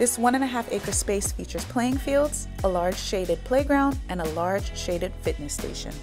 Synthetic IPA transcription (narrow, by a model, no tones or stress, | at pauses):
ðɪswʌ̃ñɨ̃nɨɦæfeɪkə˞speɪsfit͡ʃə˞z̥pʰl̥eɪɪ̃ŋfilˠdz̥ | əlɑɹd̥ʒ̥ʃeɪɾɨd̚pʰl̥eɪɡɹãʊ̃ndɨ̃nəlɑɹd̥ʒ̥ʃeɪɾɨd̥fɪtⁿnɨstḛɪʃɨ̰̃n